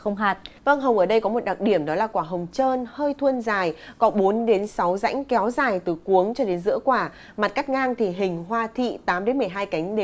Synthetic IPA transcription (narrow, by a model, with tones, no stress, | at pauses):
xə˧wŋ͡mɦaː˨˩t̚və˧ŋɦə˨˩wŋ͡mʔəː˧˩ɗə˧jkɔ˨˦mo˨˩t̚ɗa˨˩t̚ɗi˧˩əmɗɔ˨˦laː˨˩kwaː˧˩ɦə˨˩wŋ͡mt͡ɕəː˧nhəː˧jt̪ʰwə˧nzaː˨˩jkɔ˨˦ɓo˨˦nɗe˨˦nsa˨˦wza̰˧˥jŋ̟kɛ˨˦wzaː˨˩jt̪ɨ˨˩ku˨˦əŋt͡ɕɔ˧ɗe˨˦nzɨ̰˧˥əkwaː˧˩ | ma˨˩t̚ka˦˥k̚ŋaː˧ŋt̪ʰi˨˩ɦï˨˩ŋ̟ɦwaː˧t̪ʰḭ˧˨t̪aː˨˦mɗe˨˦nmɨ˨˩əjɦaː˧jka˨˦jŋ̟ɗe˨˦